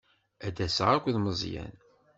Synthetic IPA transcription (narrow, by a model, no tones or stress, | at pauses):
æd̪æsʕakʷðməzˤjæ̰n